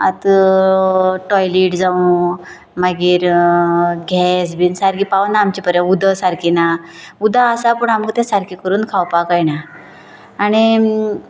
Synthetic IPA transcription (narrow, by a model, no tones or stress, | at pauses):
a̰t̪ | ʈɔjliʈd͡zaũ | maɡiːɾ | ɡʱɛs̬biːnsaɾkipaʋnaːmt͡ɕipəɾjə̃ud̪ʱəsaɾkina | ud̪ʱaəsapəɳaməɡt̪ɛ̃saɾkikəɾuːnkʰawpakajnaː | ɽ̃i